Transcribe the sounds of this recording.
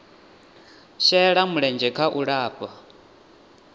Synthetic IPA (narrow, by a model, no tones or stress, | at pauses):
ʃɛɺamuɺɛnd͡ʒɛkʰaʔuɺaːpʼa